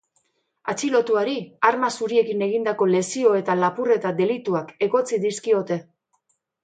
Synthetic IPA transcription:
at͡ʃilo̞t̪uaɾiaɾmasuɾie̞kine̞ɣ̞ind̪ako̞le̞sio̞e̞t̪alapure̞t̪ad̪e̞lit̪uake̞ɣo̞t͡siðiskio̞t̪e̞

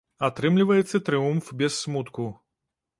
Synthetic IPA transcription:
at̪ɾɨmlʲivɐjɛt̪sːɐt̪ɾɨumfbʲɛsːmut̪ku

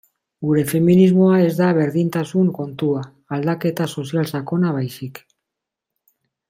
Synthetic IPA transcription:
ɡuɾe̞fe̞minizmo̞ae̞zd̪aβ̞e̞ɾðint̪asuŋko̞nt̪uaː | ld̪ake̞t̪aso̞sialsako̞naβajsik

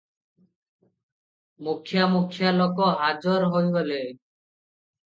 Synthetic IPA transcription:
mukʰːjamukʰːjalɔkɔɦad͡ʒɔɾɦojbɔle

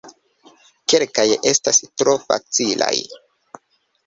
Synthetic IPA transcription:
ke̞lkaje̞stastɾo̞fa̰t͡sila̰j

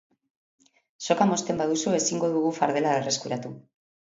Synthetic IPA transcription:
so̞kamo̞st̪e̞mbað̞usue̞siŋɡo̞ðuɣufaɾðe̞laere̞skuɾat̪u

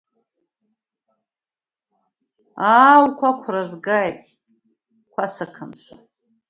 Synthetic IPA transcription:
aːwkʷʰakʷʰrazɡajtʼ | kʷʰasakʰɨmʃa̰

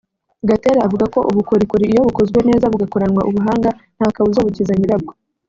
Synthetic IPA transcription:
ɡateɾaavuɡako̞ʔuβukoɾikoɾiːjo̞βukozɡwe̞ne̞ːzaβuɡakoɾanŋwaʔuβuɦaːŋɡan̥haːkaβuzoβucizaɲiɾab̚ɡo

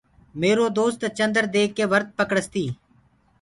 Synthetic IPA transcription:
meːɾoːd̪oːst̪t͡ʃə̃nd̪əɾd̪eːkːeːʋəɾt̪̚pəkɽəst̪iː

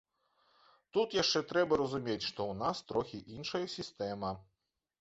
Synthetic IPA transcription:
t̪ut̪jaʂt͡ʂɛt̪ɾɛbɐɾɐzumʲet͡sʲʂt̪ɔwnast̪ɾɔxʲiʔinʂɐjɐsʲist̪ɛmɐ

